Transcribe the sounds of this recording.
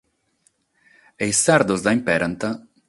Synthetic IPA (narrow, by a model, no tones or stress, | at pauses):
ejsːaɾd̪ozd̪aimpɛɾant̪a